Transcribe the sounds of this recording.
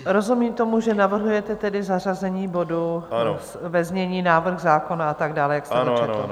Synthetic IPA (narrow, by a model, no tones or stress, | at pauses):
ɾo̞zumiːmt̪o̞muʒɛnavr̩ɦujɛt̪ɛt̪ɛdɪzar̝azɛɲiːbo̞du | vɛzɲɛɲiːnaːvr̩xzaːko̞naat̪aɡdaːlɛjakst̪ɛt͡ʃɛt̪l̩